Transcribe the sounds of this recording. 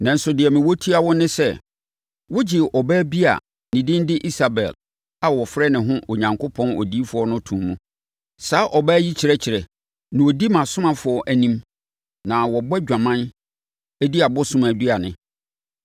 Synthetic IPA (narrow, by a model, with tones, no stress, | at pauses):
nã˨n̩˦sʊ˨dɪ˨ɛ˨mɪ̃˨wɔ˦tʰi˦a˨wɔ˦nɪ̃˦sɛ˦ | wʊ˦d͡ʑɪ˨ʔɔ˨bæː˦bi˦a̰˨ | nĩ˨dɪ̃˦ndɪ˦ʔi˦sa˨bɛ̰˨l | a˨wɔ˨fɾɛ˦nɪ̃˨ɦʊ̃˦ʔo˨ɲã˨ŋkʰʊ˦pʰɔ̃˦nɔ̰˨di˦fʊ˨ɔ˦nʊ̃˦tʰũ˨mːũ˦ | saː˨˦ʔɔ˨bæː˦ji˦t͡ɕʰɪ˨ɾɛ˦t͡ɕʰɪ˨ɾɛ˨ | nɪ̃˨wɔ˨di˦mã˨sʊ̃˦mã˨fʊ˨ɔ˦ʔæ˨nĩ˦m | nã˨wɔ˨bɛ˦d͡ʑᶣa˨mã˦n | æ˦di˦a˨bɔ˦sʊ̃˦mã˨du˦a˨nɪ̃˨